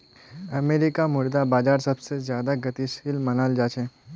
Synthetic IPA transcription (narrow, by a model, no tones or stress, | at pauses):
ɐmeːɾɪkamʊɾd̪abaːd͡ʒaːɾsɐbsezjaːd̪aɡɐt̪isɪlmɐnaːld͡ʒaːt͡ʃʰeː